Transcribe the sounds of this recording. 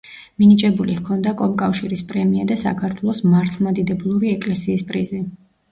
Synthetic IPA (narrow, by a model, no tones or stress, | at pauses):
minit͡ʃʼɛbulihkʰɔnd̪akʼɔmkʼafʃiɾispʼɾɛmiad̪asa̰kʰaɾt̪ʰwɛlˠɔsmaɾt̪ʰlˠmad̪id̪ɛblˠuɾiɛkʼlɛsiːspʼɾizi